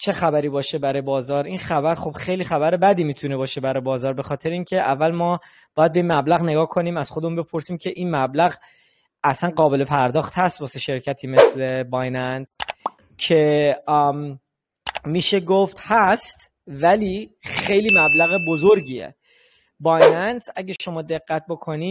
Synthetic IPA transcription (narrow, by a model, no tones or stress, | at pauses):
t͡ʃʰe̞xæbæɾiːbɒːʃe̞bæɾɒjebɒːzɒːɾinxæbæɾxo̞b̥xe̞jliːxæbæɾebæd̪iːmiːt̪ʰune̞bɒːʃe̞bæɾɒjebɒːzɒːɾbe̞xɒːt̪ʰe̞ɾeiːŋcʰe̞ʔævːælmɒː | b̥ɒːjæd̪be̞inmæblæɣne̞ɡɒːkʰo̞niːmæz̥xod̪emunbe̞pʰo̞ɾsiːmcʰe̞ʔinmæblæɣ | æsænɢɒːbe̞le̞pʰæɾd̪ɒːxt̪hæst̪̚bɒːse̞ʃe̞ɾcʰæt̪ʰiːme̞sle̞bɒjnæns | cʰe̞ | miːʃe̞ɡoft̪hæst̪ | væliːxe̞jliːmæblæɣebozoɾɟiːḛ | bɒjnænsæɟæʃo̞mɒːd̪e̞ɡːæt̪̚bo̞kʰo̞ni